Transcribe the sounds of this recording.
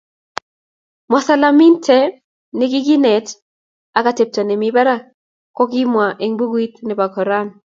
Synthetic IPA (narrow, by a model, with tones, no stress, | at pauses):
mɔ˨sa˦la˦mi˦ntʰɛ˦ | ne˦ɡi˦ɡi˦nɛ˨t | a˨ka˨te˨p̚tɔ˨nɛ˨miba˦ɾa˦ | kɔ˦ɡi˦mwa˨ʔe˨ŋbu˦ɡwi˦tnɛ˨ba˨kɔ˨ɾa˦n